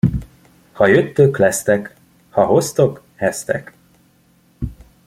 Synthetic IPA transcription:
hɒjøt̪ːøklɛst̪ɛk | hɒɦo̞st̪o̞k | hɛst̪ɛk

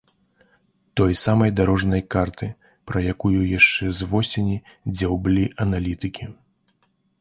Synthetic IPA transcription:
t̪ɔjsamɐjd̪aɾɔʐnɐjkart̪ɨ | pɾɐjakujujaʂt͡ʂɛzvɔsʲenʲid͡zʲawblʲiʔɐnalʲit̪ɨkʲi

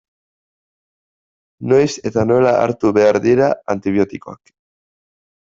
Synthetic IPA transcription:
no̞jse̞t̪ano̞elaa̰ɾt̪uβe̞aɾðiɾaant̪iβ̞jo̞t̪ikoa̰k

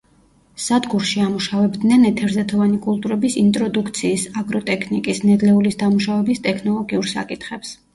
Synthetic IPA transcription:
sad̪ɡuɾʃiamuʃavɛbd̪nɛnɛt̪ʰɛɾzɛt̪ʰɔvanikʼulˠt̪ʼuɾɛbisint̪ʼɾɔd̪ukʰt̪sʰiːsaɡɾɔt̪ʼɛkʰnikʼisnɛd̪lɛulisd̪amuʃavɛbist̪ʼɛkʰnɔlˠɔɡiuɾsa̰kʼit̪ʰχɛps

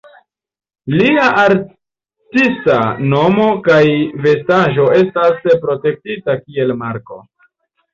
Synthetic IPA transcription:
liaʔaɾ | tistano̞mo̞kajve̞staʒo̞e̞staspɾo̞te̞k̚titakie̞lmaɾko̞̰

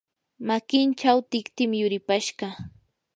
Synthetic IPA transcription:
makɪnt͡ʃawt̪ɪkt̪ɪmjʊɾɪpaʃɢɑ

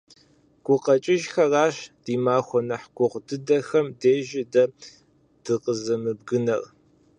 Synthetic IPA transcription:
ɡ̥ʷʊqɐt͡ʃʼɪʒxɐraːɕd̥iːmaːxʷɔnɐħɡʷʊʁʷdɨdɐxɐmdeːʒɪdɐ | d̥ɨqəzɐmɨb̚ɡɨnɐr

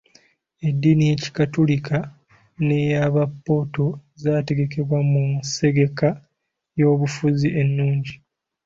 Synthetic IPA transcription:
e̞dːinije̞ci̥katulikʰa | ne̞jaβapːo̞ːto̞zaːte̞ɡe̞ke̞βwamumuse̞ɡe̞ka | jo̞ːβufuziʔe̞nːuːɲɟi

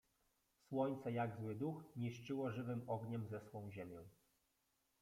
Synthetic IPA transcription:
swɔɲt̪sɛjaɡzwɘd̪uxɲiʂt͡ʂɘwɔʐɘvɘmɔɡɲɛmzɛswɔ̃w̃ʑemʲjɔ̃w̃

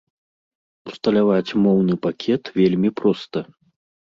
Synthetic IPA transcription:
u̥st̪ɐlʲavat͡sʲmɔwnɨpakʲʰɛt̪vʲelʲmʲipɾɔst̪ɐ

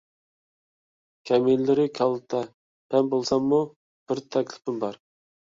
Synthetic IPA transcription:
kʲʰɛmilːɪɾɪkʲʰɑlˠt̪ʰɑ | hɛnbolˠsɑmːu | b̥ɪɾt̪ʰɛkʲlɪ̥pʰɪmbɑɾ

